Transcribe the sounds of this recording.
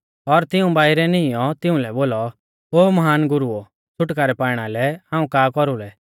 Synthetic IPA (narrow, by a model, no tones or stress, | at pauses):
ɔɾt̪ɪũbaːɪɾɛnɪjɔ̃t̪ɪũlɛboːlɔ | oːmɐɦaːnɡʊɾuo | t͡ʃʰʊʈkaɾɛpaːɪɽ̃alɛãːũkaːkɔɾulɛ